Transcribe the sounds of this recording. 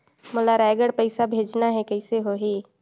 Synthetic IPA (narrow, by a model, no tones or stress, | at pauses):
mʊlaɾɛːɪɡəɽpəɪsabʱeːd͡ʒnaɦɛkɐɪseɦoɦiː